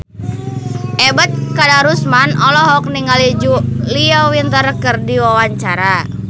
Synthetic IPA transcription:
ʔɛbət̪̚kadaɾusmanɔlɔɦɔk̚niŋalid͡ʒuliawint̪ərkərdiwawaɲt͡ʃaɾa

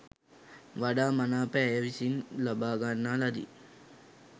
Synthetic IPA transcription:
ʋaɖaːmanaːpəːjəʋisinlabaːɡanːaːlad̪ḭ

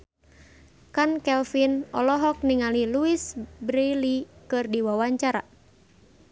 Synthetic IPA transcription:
kankɛlfinɔ̰lɔɦɔk̚niŋaliluisbɾilikɨrdiwawaɲt͡ʃaɾa̰

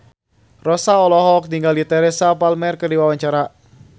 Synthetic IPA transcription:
rɔsaɔlɔɦɔk̚niŋɡaldit̪ɛɾɛsapalmɛrkərdiwawaɲt͡ʃaɾa

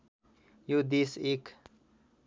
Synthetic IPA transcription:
jud̪isik

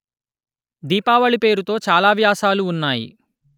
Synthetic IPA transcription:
d̪iːpaːʋɐɭipe̞ːɾut̪o̞ːt͡ʃaːlaːʋjaːsaːluːnːaːjḭ

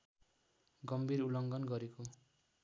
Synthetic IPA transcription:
ɡʌmbʱiɾulʌŋɡʌnɡʌɾeko

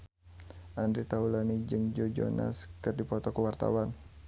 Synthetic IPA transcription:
ʔandɾit̪aulanid͡ʒɨŋd͡ʒod͡ʒo̰na̰skɨrdipɔt̪ɔkuwart̪a̰wan

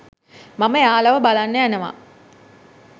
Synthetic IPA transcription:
maməjaːlaʋəbalanːəjænəʋa̰

